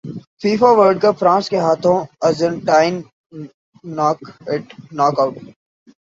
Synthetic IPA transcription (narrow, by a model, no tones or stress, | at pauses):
fiːfaʋəɾɖ̚kafɾãːskeɦaːt̪ʰõɐzəɳʈaːɪn | naːkɪʈnaːkaʊʈ